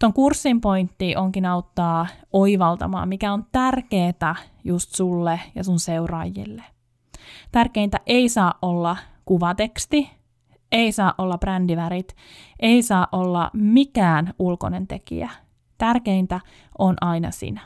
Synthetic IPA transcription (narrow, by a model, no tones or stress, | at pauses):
t̪oŋkursːimpoint̪ːiʔoŋkinɑut̪ːɑːoiʋɑlt̪ɑ̰mɑ̰ːmikæont̪ærkeːt̪æ | just̪sulːejɑsunseurɑ̰jːḭlːe | t̪ærkeint̪æʔeisɑːʔʔolːɑkuʋɑt̪ekst̪i | eisɑːʔʔolːɑb̥rændiʋæɾit̪ | ʔeisɑːʔʔolːɑ̰mikæːnulko̰nent̪ekḭæ | t̪ærkeint̪æ | ʔonʔɑinɑ̰sḭnæ